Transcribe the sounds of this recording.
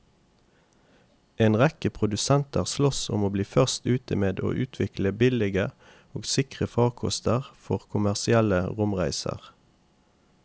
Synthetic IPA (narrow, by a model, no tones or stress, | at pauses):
ʔeːnʁɛkəpʰʁʊd̪ʉsɛnt̪ʰæːʁslɔsʊ̰moːbliːfœʁst̪ʉːt̪əmeːd̪o̰ːʔʉːt̪ʰʋɪkləbɪlɪɡə | oːɡsɪkʁəfɑːʁkʰɔ̰st̪ʰəʁfɔʁkʰʊmæʁsɪɛləʁʊmʁæɪsə̰ʁ